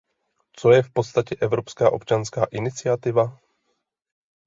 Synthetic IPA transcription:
t͡sojɛfpot̪st̪acɛʔɛvɾopskaːʔo̞pt͡ʃanskaːʔɪnɪt͡sɪat̪ɪva

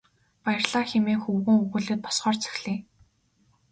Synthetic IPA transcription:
pajɪ̆rɮaːxemeːxɵwɣɘ̆ŋɵɣɘ̆ːɮɘ̆ːt̪̚pʰɔ̥sχɔːrt͡sʰɵ̥xɮeː

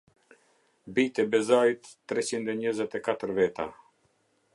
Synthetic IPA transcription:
bit̪ɛbɛzajt̪ːɾɛt͡ɕind̪ɛɲəzɛt̪ɛkat̪əɾvɛt̪a̰

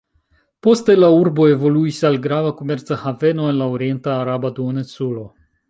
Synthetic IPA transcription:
po̞st̪elauɾbo̞e̞vo̞luisalɡɾavako̞me̞ɾt͡sahave̞noe̞nlaoɾie̞ntaːɾabad̪uonesulo̞

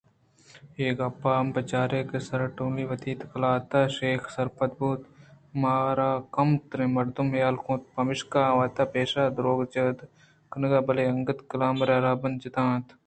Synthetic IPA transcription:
eːkɐpːaːmbɐt͡ʃaːɾeːkesɐɾʈoːliːʋɐt̪iːt̪kɐlaːt̪aʃeːxsɐɾpɐd̪̚buːt̪ | maːɾaːkɐmt̪ɾẽmɐɾd̪umjaːlkõːt̪̚pɐmɪʃkaːʋaːt̪aːpeːʃaːd̪ɾoːɡt͡ʃəːd̪ | kənɡaːbɐleːɐŋɡɐt̪kɐlaːmɾaːɾaːbɐnd͡ʒɪt̪ãːt̪

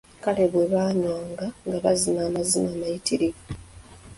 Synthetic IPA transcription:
kale̞βweβaːɲwaːŋɡaŋɡaβa̰zinaːmazinaːmajitiɾi

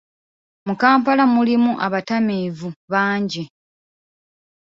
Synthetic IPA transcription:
mukaːmpalamulimuʔaβatamiːvuβaːɲɟi

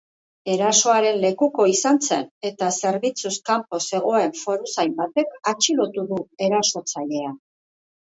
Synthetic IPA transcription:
e̞ɾaso̞aɾe̞nle̞kuko̞isant͡se̞̰ne̞t̪ase̞ɾβit͡suskampo̞se̞ɣ̞o̞e̞ɱfo̞ɾusajmbat̪e̞kat͡ʃilo̞t̪uðue̞ɾaso̞t͡saʎe̞a

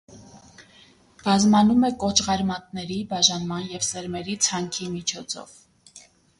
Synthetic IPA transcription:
b̥ɑzmɑnumɛkɔt͡ʃʰʁɑɾmɑt̪̚nɛɾibɑʒɑnmɑnjɛvsɛɾmɛɾit͡sʰɑŋkʰimit͡ʃʰɔt͡sʰɔ̰v

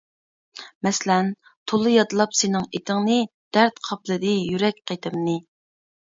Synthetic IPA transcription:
mɛslɛn | t̪ʰolˠːɨjɑt̪ɨlˠɑpsenɪŋet̪ʰɪŋnɨd̪̥æɾt̪qʰɑplˠɨd̪ɨjyɾɛk̚ʲqet̪ʰɪmnɨ

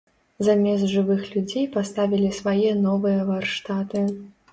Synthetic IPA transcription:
zamʲɛs̬ʐɨvɨxlʲud͡zʲejpast̪avʲilʲisvajɛnɔvɨjɐvarʂt̪at̪ɨ

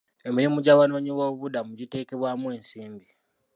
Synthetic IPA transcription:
e̞miɾimuɟawano̞ːɲiwo̞ːβudamuɟite̞ːke̞βwaːmwe̞ːnsiːmbi

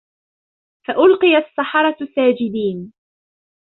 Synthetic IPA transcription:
faʔʊlqɨjasːɑħɑɾˤɑsaːd͡ʒɪd̪iːn

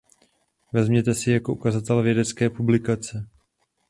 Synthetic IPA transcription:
vɛzmɲɛt̪ɛsɪjako̞ʔukazat̪ɛlvjɛdɛt͡skɛːpublɪkat͡sɛ

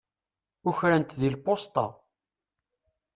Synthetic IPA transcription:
ʊçɾænt̪ðilpost̪ˤɑ̰

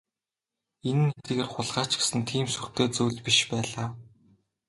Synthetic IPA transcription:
enɘ̆nːet̪eːɣeːrχʊɮʁaːt͡ɕɡe̥sɘ̆nt̪ʰiːmsur̥t̪ʰeːt͡suːɮpiʃpæːɮaː

